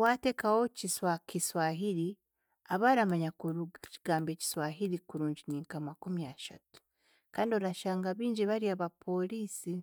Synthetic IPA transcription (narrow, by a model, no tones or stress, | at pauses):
wate̞ːkawo̞ciswakiswaːɦiɾi | aβaɾamaɲakuɾciɡ̥aːmbeci̥swaːɦiɾikuɾuːɲɟiniːŋkamakumijaʃa̰tu̥ | kaːndioɾaʃaːŋɡaβiːɲɟiβaɾiaβapʰo̞liːsi